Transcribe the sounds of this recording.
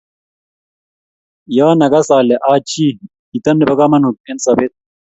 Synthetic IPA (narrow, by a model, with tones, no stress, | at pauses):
jaːnɐ˨ɡɐ˦saː˨lɛ˨ʔaː˦t͡ʃi˦ | i˨t̪ɐ˦nːɪ˨bɐ˦ɡa˦mɐ˦nhu˨tʼːe˦nsɐ˨be˦t̪̚